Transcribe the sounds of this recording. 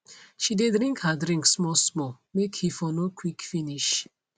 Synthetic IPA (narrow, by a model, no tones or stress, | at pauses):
ʃidedɾĩŋkhadɹĩŋksmɔsmɔ | mekhifɔnokʰwikfiniʃ